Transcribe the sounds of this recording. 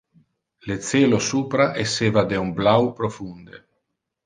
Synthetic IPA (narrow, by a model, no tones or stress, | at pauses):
let̪seːlosuːpɾaʔeseːvad̪eumblawpɾofund̪e